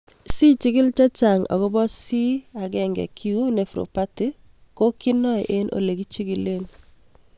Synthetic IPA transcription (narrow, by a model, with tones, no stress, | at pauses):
si˦t͡ʃi˦ɡɪ˦lt͡ʃa˦t͡ʃa˨ŋɔ̰˨ɣɔ˦bɔ˦si˦a˨ɡɛ˦˨ŋɡɛ̰˨kʰi˦u˦ne˨fɾo̰˨pa˦ti˦ | ko˦ki˦nɔ˦jʔe˦nʔo̰˨le˨ɡi˦t͡ʃi˦ɡi˨le˦n